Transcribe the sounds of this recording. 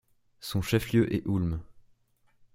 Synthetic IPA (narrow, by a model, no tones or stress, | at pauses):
sɔ̃ʃɛfljøʔɛʔulm